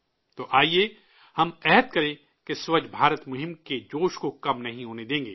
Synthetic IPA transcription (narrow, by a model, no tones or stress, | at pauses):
t̪oːʔaːie | hɐmɛɦət̪kɐɾẽ | keswɐd͡ʒʰbʱaːɾət̪mʊɦɪ̃mked͡ʒoːʃkokɐmnɐɦĩɦoːned̪ẽːŋɡḛː